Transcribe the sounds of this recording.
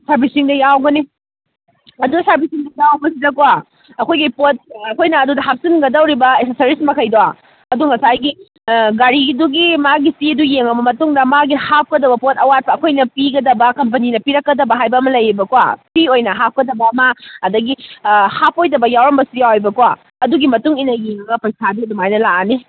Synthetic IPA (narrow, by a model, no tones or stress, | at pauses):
saɾbisiŋdɐjawɡɐni | ɐduɐsaɾbisiŋdɐjawɐbɐsidɐkwa | ɐkʰojɡipot̚ɐkʰojnɐɐdudɐɦap̚sinɡɐdɐwɾibɐesesɐɾismɐkʰɐjdowa | ɐduŋɐsajɡi | ɡaɾiduɡimaɡisiɐdujeŋɐbɐmɐtuŋdɐmaɡihap̚kɐdɐbɐpotʰɐwat̚pʰɐːkʰojnɐpiɡɐdɐbɐkɐmp̬ɐninɐpiɾɐkːɐdɐbɐɦajbɐːmɐlɐjɾibɐkwa̰piojnɐɦap̚kɐdɐbɐmɐːdɐɡihap̚ʰojdɐbɐjawɾɐmbɐsujawajbɐkwa | ɐduɡimɐtuŋinɐjeŋɐɡɐpɐjsadiɐdumajnɐlaani